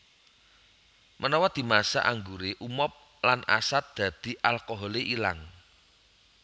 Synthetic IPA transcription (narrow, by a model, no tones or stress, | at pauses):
mʔənɔwɔd̪̥i̤masa̰ʔaŋɡuɾeʔumɔp̚ | lanʔa̰sat̪̚d̪̥a̤d̪̥i̤ʔalkoɦɔleʔila̰ŋ